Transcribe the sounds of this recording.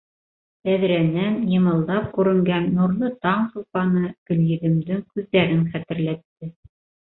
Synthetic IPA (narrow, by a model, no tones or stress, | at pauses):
æðɾænænjɤ̆mɤ̆lˠd̪ɑp̚kʉɾɘ̆ŋɡænːuɾnˠɤt̪ɑɴsŭlˠpɑnɤɡ̥ɵ̆ljɘ̆ðɘ̆md̪ɘŋkʉðːæɾɘŋχæt̪ɘ̆ɾlæt̪ːɘ